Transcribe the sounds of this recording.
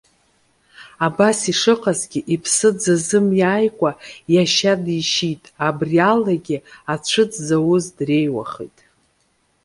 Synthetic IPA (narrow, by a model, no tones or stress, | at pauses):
abasiʂɨqʼazɡʲiʔipʰsɨd͡zazɨmjaːjkʷʼajaʃadiʃitʼabrialaɡʲɪat͡ɕʷʰɨd͡zzawʊzdre̞jwa̰χḭjtʼ